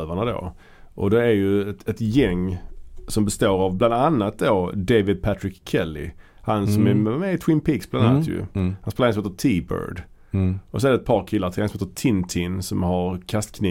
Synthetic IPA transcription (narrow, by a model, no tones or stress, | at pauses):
vaɳad̪o̰ː | ʔɔd̪ɛæɾjɵɛt̪jɛŋːsɔmbɛst̪oːɾavbland̪anːat̪̚d̪oːd̪evɪd̪̚pʰæt̪ɾɪkʰːɛlːɪ̰ | hanssɔmɛɛmɛɪt̪ʰwɪnpʰiːksbland̪annːaat̪jɵ̰hanseːlansɔmheːt̪ət̪ʰiːbœ̰ɾɖ | ɔsɔɛɾɖɛt̪̚pʰɑːɾkʰɪlːaɾt̪ʰɪhansɔmheːt̪ət̪ʰɪnt̪ʰɪnsɔmhaɾkʰast̪kʰniː